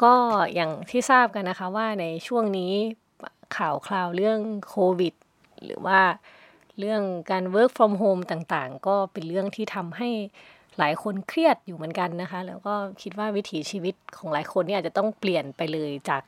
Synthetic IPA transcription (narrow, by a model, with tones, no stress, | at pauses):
kɔː˥˩jaː˨˩ŋt̪ʰiː˥˩saː˥˩p̚ka˧nːa˦˥kʰa˦˥waː˥˩na˧jt͡ɕʰu˥˩əŋniː˦˥ | kʰaː˨˩wkʰlaː˧wlɯ˥˩əŋkʰoː˧wi˨˩t̪̚ | lɯ̰ː˩˦waː˥˩ | ɾɯ˥˩əŋkaː˧nwɤː˦˥k̚fʰɔː˧mɦoː˧mt̪aː˨˩ŋt̪aː˨˩ŋkɔː˥˩pe˧nɾɯ˥˩əŋt̪ʰiː˥˩t̪ʰa˧mɦa˥˩j | laː˨˩˦jkʰo˧nkʰɾi˥˩ət̪̚juː˨˩mɯ˩˦ənka˧nːa˦˥kʰa˦˥ʔlɛː˦˥wkɔː˥˩kʰi˦t̪̚waː˥˩wi˦˥t̪ʰiː˩˦t͡ɕiː˧wi˦˥t̪̚kʰɔː˩˦ŋlaː˩˦jkʰo˧nːiː˧˥˩aː˨˩t͡ɕa˨˩t̪ɔ˥˩ŋpli˨˩ənpa˧jlɤː˧jt͡ɕaː˨˩k̚